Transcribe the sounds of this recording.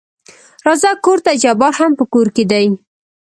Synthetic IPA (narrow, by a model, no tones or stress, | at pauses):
ɾɑzakːoɾt̪ad͡ʒabɑɾhampəkoɾked̪aj